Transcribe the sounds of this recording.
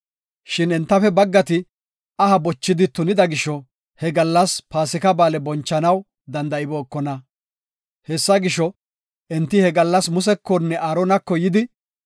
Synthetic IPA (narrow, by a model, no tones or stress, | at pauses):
ʃɪnɛnt̪ːɐfɛbɐɡːɐt̪ɪ | ɐhɐbɔt͡ʃːɪd̪ɪt̪ʊnɪd̪ɐɡɪʃɔ | hɛɡɐlːɐspaːsɪkɐbaːlɛbɔnt͡ʃːɐnɐw | d̪ɐnd̪ɐɪbo̞ːkːɔnɐ | hɛsːɐɡɪʃɔ | ɛnt̪ːɪhɛɡɐlːɐsmʊs̬ɛkːɔnːɛʔaːɾɔnɐkːɔjɪd̪ɪ